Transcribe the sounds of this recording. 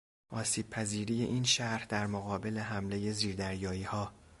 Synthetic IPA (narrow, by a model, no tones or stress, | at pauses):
ʔɒːsiːb̥̚pʰæziːɾiːje̞̰ʔiːnʃæɾhd̪æɾmoɣɒːbe̞le̞ɦæmle̞jeziːɾd̪æɾjɒːiːhɒː